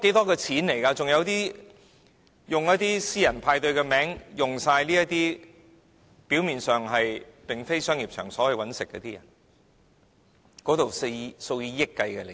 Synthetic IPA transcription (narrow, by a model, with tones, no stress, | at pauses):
ke˨˥jt̪ɔː˥kɛː˧t͡sʰiː˨˥nle˨˩jkaː˧t͡sʊ˨ŋjɐ˨˧wt̪iː˥ | jʊ˨ŋjɐ˥t̚t̪iː˥siː˥jɐ˨˩npʰaː˧jt̪ɵ˧ɥkɛː˧mɛː˨˥ŋjʊ˨ŋsaː˧jliː˥jɐ˥t̚t̪iː˥ | piː˨˥wmiː˨nsœː˨˩ŋɦɐ˨jpɪ˨˩ŋfe˥jsœː˥ŋjiː˨p̚t͡ʃʰœː˨˩ŋsɔː˨˥wɐ˨jwɐ˨˥nsɪ˨kːɛ̰ː˧t̪iː˥jɐ˨˩n | kɔː˨˥t̪o˨wse˧so˧wjiː˧jɪ˥kːɐ˧jkɛ˧le˨˩